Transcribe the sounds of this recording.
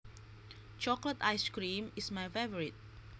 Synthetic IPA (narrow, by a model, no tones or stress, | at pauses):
t͡ʃɔklətajskɹĩmismajfevɔɹit̚